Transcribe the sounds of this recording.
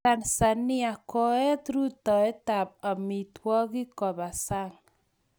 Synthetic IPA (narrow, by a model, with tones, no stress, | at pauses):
a˨nsa˨ni˦a˨kɔ˨ɛ˦t̪ɾu˦tɔ˨ɛ˦ta˨p̚a˨mi˨twɔ˦ɣi˦kɔ˨βa˨sa˦ŋ